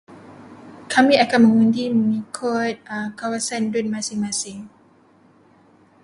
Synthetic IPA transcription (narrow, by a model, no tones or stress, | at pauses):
kʰamiʔakaməŋũndimunikʰot̚akawasandut̚masiŋmasiŋ